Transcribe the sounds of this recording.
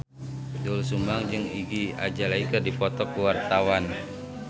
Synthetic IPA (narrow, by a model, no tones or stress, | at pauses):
dulsumbaŋd͡ʒɨŋiɡia̰d͡ʒalaikədipɔt̪ɔkəwart̪awan